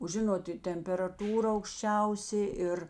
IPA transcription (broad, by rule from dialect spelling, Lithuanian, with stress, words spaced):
oː ˈʒʲɪnoːt ɪ tʲɛmʲpʲɛrɐˈtuːrɐ ɐʊkʃʲˈt͡ʃʲɛʊsʲeː ˈɪr